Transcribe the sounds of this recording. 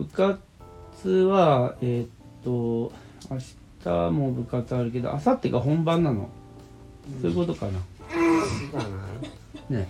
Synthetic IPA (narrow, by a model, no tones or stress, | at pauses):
bɯ̟ka | t͡sɨβaeːt̪ːo | aɕi̥t̪ʰamo̞bɯ̟kat͡sɨaɾɯ̟ke̞d̪o̰ʔasat̪ːekaɦõ̞mbãnːano̞̰ | soːjɯko̞t̪o̞kana | ne̞